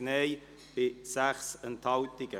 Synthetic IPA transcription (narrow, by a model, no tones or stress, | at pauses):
neːj | b̥ɪsæχsənt̪hɑltɪɡ̥ə